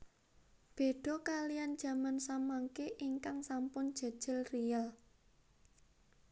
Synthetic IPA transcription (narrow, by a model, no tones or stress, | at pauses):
b̥e̤ɖ̥ɔ̤kalijand̥ʒ̥ä̤mansamaŋkeʔiŋkaŋsampʊnd̥ʒ̥ə̤d̥ʒ̥ɪ̤lrijal